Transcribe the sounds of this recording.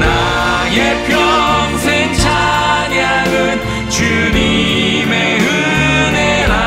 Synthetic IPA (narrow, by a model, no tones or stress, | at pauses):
na | jepʰjʌŋsʰeŋt͡ɕʰaɲja | ɡɯn | t͡ɕu | ni | meɯ | neɾa